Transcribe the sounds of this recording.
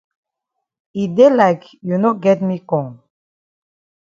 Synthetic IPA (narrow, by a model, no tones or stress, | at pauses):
idelaɪkjunoɡɛtmikɔ̃ŋ